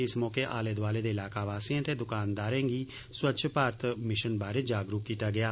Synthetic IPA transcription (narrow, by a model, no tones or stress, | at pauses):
ɪsmɔːkeːʔa̰ːleːd̪ʋaːleːd̪eːɪlaːkaːʋaːsiãːt̪eːd̪ʊkaːnd̪aːɾɛ̃ːŋɡiː | swətːʃʰpaːɾət̪mɪʃənbaːɾeːd͡ʒaːɡɾukkiːt̪aːɡɪjaː